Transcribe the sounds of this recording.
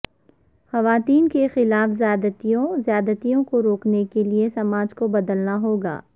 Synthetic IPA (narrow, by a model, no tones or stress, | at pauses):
xɐʋaːt̪iːnkexɪlaːfzjaːd̪ət̪ijõzjaːd̪ət̪ijõkoɾoːknekeliesɐmaːd͡ʒkobɐd̪əlnaɦoːɡa̰ː